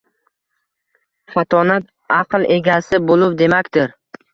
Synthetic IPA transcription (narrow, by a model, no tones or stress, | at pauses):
fat̪ʰɒnat̪ | ɑqlˠʔe̞ɡʲasɪbolˠʊpd̪e̞makʲd̪ɪɾ